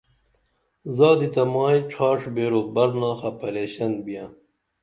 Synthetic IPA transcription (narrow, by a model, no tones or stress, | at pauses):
zɑːd̪it̪ɐmɑːjiʈ͡ʂʰaːʂbeːɾoːbɐɾnɑːxɐpʰɐleːɕɐnbijãː